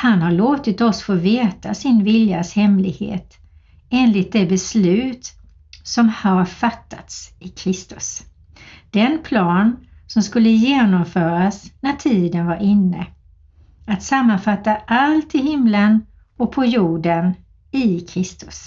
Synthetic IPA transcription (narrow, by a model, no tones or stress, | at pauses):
hanhaɭoːt̪ɪt̪ɔsfoːveːt̪asɪnvɪljashɛmlɪɡhḛːt̪ | eːnlɪt̪̚d̪ɛbɛslʉ̟ːt̪ | sɔmhaɾfat̪ʰːat̪sɪkʰɾɪst̪ɵ̥s | d̪̥ɛnpʰlɑːnsɔmskɵlːəjeːnɔmfœːɾasnætʰiːd̪ənvaɾɪnːə̰ | at̪samːanfat̪ːaʔalt̪ɪɦɪmlən | ɔk̚pʰɔjuːɖən | ɪkʰɾɪst̪ɵ̥s